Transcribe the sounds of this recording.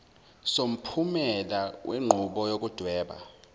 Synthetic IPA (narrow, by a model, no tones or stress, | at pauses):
som̩pʰumɛlawʔeŋ͡ǃʱuɓɔjok̬ʼud̥ʱwɛːɓa̰